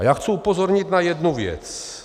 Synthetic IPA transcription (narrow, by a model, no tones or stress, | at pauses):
jaːxt͡suupozoɾɲit̪najɛd̪nuvjɛ̰t͡s